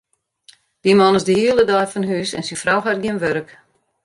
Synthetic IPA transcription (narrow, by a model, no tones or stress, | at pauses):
d̥imɔnɪzdəhiələdɔjfɔnɦyːsɛ̰nsifrawxar̚ɡjɪnʋøɾək